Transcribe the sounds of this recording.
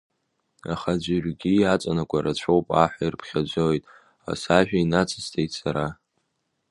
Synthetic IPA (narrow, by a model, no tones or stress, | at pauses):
a̰χad͡ʒʷɪrʷɡʲiat͡sʷʼanakʷʰaɾat͡ɕʷʰowpʼaħʷairpʰχʲad͡ʒʷojtʼ | a̰saʒᶣainat͡sʰɨstʰejtsaɾa